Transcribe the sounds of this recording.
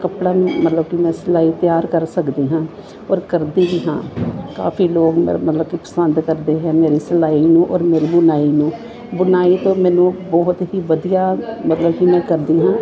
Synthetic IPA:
kəpɽaːmət̪ləbkɪmɛ̃ːsəlaːiːt̪jaːɾkəɾsəkd̪eːɦãː | ɔːɾkəɾd̪iːʋiːɦãːka̰ːfʰiːloːɡm̰mət̪ləbkipə̥sənd̪kəɾd̪eːɦɛːmeːɾiːsəlaːiːnũːʔɔ̰ːɾmeːɾiːbʊnaːiːnũː | bʊnaːiːt̪õːmɛ̃ːnũːbɔːt̪ɦiːʋəd̪ijaːmət̪ləbkɪmɛ̃ːkəɾd̪iːɦãː

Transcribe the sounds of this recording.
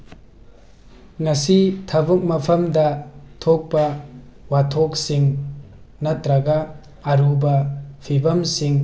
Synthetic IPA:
ŋɐsitʰɐbuk̚mɐpʰɐmdɐtʰok̚pɐ | watʰok̚siŋ | nɐt̪ɾɐɡɐː | ɾubɐpʰibɐmsiŋ

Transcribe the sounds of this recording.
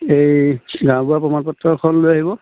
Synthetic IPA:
ejɡãw̃puapɹɔmanpɔtɹɔkʰɔnlojaɦibɔ

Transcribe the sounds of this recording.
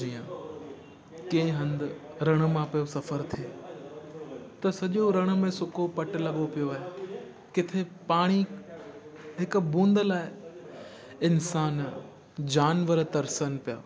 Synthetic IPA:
iːjə̃ | kẽɦɐ̃nd̪ɾɐɽ̃̆mãpijosɐfəɾt̪ʰieː | t̪ɐsɐʄoɾɐɽ̃̆mẽsʊkopɐʈ̆lɐɠopijoaːɦe | kɪt̪ʰepaːɽ̃i | ɦɪkʊ̆bũːnd̪əlaːɪ | ɪnsaːn | d͡ʑaːnʋəɾt̪ɐɾsənpija̰ː

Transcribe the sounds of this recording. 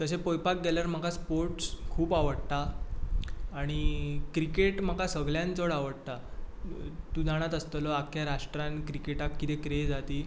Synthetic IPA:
t̪əs̬epojpak̚ɡelaɾm̤akaspoɾʈskʰuːpaʋəɽt̪a | ɽ̃ikɾikeʈm̤akasəɡljãnt͡səɽaʋəɽt̪a | t̪ũd͡zaɽ̃at̪əst̪ələakʰjaɾaʂʈɾãnkɾikeʈakːit̪ekɾed͡zat̪iː

